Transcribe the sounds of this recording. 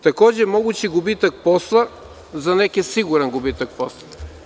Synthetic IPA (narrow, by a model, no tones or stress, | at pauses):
t̪ɐkɔʒɛmɔɡʊt͡ʃiɡʊbit̪ək̚pɔslˠɐ | zɐnɛkɛsiɡʊɾɛnɡʊbit̪ək̚pɔslˠɐ